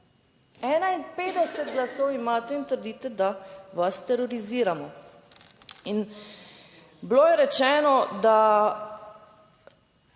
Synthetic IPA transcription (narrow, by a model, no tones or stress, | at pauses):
ɛːnainpeːd̪ɛsɛt̪ɡlasɔwimaːt̪ɛint̪əɾd̪iːt̪ɛd̪aʋast̪ɛɾɔɾiziːɾamɔ | in | bloːjɛɾɛt͡ʃɛːnɔd̪a